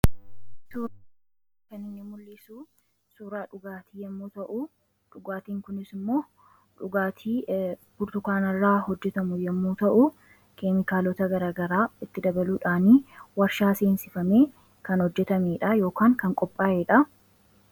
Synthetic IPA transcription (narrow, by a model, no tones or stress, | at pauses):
suːɾ | kɐnɪɲːɐmʊlːɪsuː | suːɾaːᶑʊɡaːt̪ʰiːjɛmːuːt̪ɐʔʊ | ᶑʊɡaːt̪iːŋkʊnɪsɪmːo̞ː | ᶑʊɡaːt̪ʰiːb̥ʊɾt̪ʊkaːnɐrːaːhɔd͡ʒːɛt̪ɐmʊjɛmːuːt̪ɐʔʊ | kemɪkaːlɔt̪ɐɡɐɾaːɡɐɾaːɪt̪ːɪd̪ɐbɐluːᶑaːniːwɐɾʃaːseːnsɪfɐmeː | kɐnhɔd͡ʒːɛt̪ɐmeːᶑɐjo̞ːkaːŋkɐŋkʼɔpʼːaːʔeːᶑɐ